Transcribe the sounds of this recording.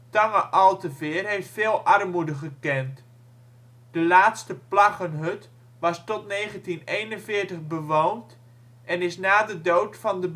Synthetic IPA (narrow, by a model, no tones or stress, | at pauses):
tɑŋəʔɑlˠtəvɪːrɦeftfɪːlˠʔɑrmudəχəkɛnt | d̥əlaːtstəplɑχənɦøt | ʋɑstɔtneːχəntinejnənvɪːɹtəχbəʋownt | ʔɛnɪsnaːdədowtfɑndəb